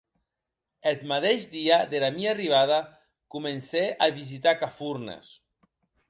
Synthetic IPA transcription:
et̪mat̪eʒd̪iaðelamiariβ̞að̞a | kumenseʔaβizit̪akafuɾnḛs

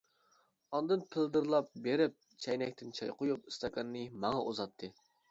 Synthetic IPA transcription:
ɑnd̪ɨnpʰɪld̪ɨɾlˠɑp̚beɾɪp̚ | t͡ʃʰɛjnɛkʲt̪ʰɪnt͡ʃʰɑjqʰojupɨst̪ɑkʰɑnːɨmɑŋɑʔuzɑtt̪ʰːɨ

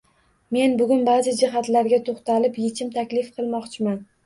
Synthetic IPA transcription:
me̞nbʊɡʲʊnbaːzɪd͡ʒɪɦat̪laɾɡʲat̪ʰoχt̪ʰalɪpjet͡ʃʰɪmt̪ʰakʲlɪfqʰɨlˠmɒqt͡ʃʰɪman

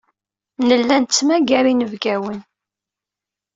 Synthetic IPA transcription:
nəlːænt͡sːmæɡæɾinəvɡæwən

